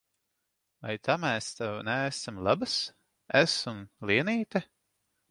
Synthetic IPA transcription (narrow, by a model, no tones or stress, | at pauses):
va̰jt̪ʰamɛːst̪ɛwnæːsamlˠabɨs | æsumlˠiɛniːt̪a